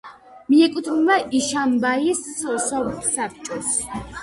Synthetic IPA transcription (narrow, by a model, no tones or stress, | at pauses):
miɛkʼut̪ʰnmaʔiʃambaissɔsap̚t͡ʃʼɔs